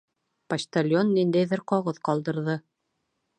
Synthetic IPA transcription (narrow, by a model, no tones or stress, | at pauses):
pɐʃt̪alʲjonːind̪æjðɘɾqɑʁɤðqɒlˠd̪ɤ̆ɾðɤ